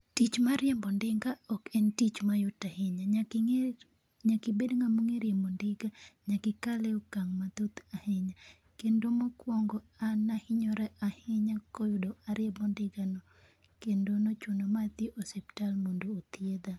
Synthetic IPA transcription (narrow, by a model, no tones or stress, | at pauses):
tit͡ʃmaɾjɛmbɔndɪŋɡaɔkɛntit͡ʃmajʊtahɪɲaɲ | ɲakɪbedŋamuŋeɾjembondɪɡaɲakɪkalɛokaŋmat̪ot̪ahɪɲa | kendomokwɔŋɡɔanahɪɲɔɾɛʔahɛɲakɔjʊdoaɾjɛbɔndɪɡanɔ | kendonot͡ʃʊnɔmat̪jeʔosɛptalmondoːt̪jed̪a